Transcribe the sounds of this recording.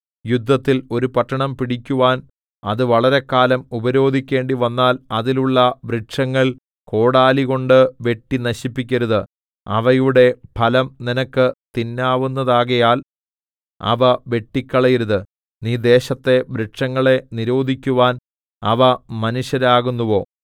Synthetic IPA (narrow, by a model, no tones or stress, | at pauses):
jud̪ʱːɐt̪ːilo̞ɾupɐʈːɐɳɐmpiɽikʲːuʋaːn | ɐðɨʋɐɭɐɾe̞kːaːlɐmubɐɾo̞ːd̪ʱikʲːe̞ːɳɖiʋɐnːaːlɐðiluɭːɐʋɾeʈʂɐŋːɐɭ | ko̞ːɽaːliɣo̞ɳɖɨʋe̞ʈːinɐɕipːikʲːɐɾuðɨ | ɐ̰ʋɐjuɽe̞pʰɐlɐmninɐkːɨt̪inːaːʋunːɐðaːɣɐjaːl | ɐ̰ʋɐʋe̞ʈːikʲːɐɭɐjiɾuðɨ | niːd̪e̞ːɕɐt̪ːe̞ʋɾeʈʂɐŋːɐɭe̞niɾo̞ːd̪ʱikʲːuʋaːn | ɐ̰ʋɐmɐnuɕjɐɾaːɣunːuʋo̞ː